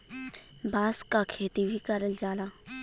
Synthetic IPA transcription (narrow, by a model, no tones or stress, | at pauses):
baːskakʰeːt̪ibʱikɐɾəld͡ʒaːlaː